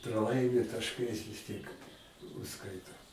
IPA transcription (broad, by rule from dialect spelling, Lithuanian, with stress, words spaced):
prɐˈlˠɐɪmʲɪ tɐʃˈkɐɪs ʋʲɪs tʲiɛk ʊʃˈskɐɪtoː